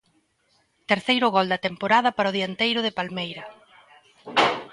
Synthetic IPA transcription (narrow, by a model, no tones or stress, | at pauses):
t̪eɾθejɾʊɣɔld̪ɐt̪empoɾaðɐpaɾʊð̞iant̪ejɾʊðepalmejɾɐ